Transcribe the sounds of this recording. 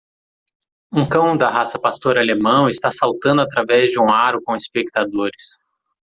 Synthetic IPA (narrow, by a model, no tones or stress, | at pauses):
ũkɐ̃w̃d̪ɐɦasɐpast̪oɾalemɐ̃w̃ɪst̪asawt̪ɐ̃nd̪ʊat̪ɾavɛzd͡ʒɪũaɾʊkõispek̚t̪ad̪oɾɪs